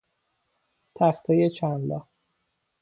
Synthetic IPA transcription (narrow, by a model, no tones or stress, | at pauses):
t̪ʰæxt̪ʰejet͡ʃʰænlɒ